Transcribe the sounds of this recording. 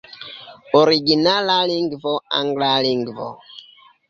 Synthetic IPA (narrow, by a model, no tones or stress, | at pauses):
ɔɾiɡinalaliŋɡvɔa̰ŋɡlaliŋɡvɔ̰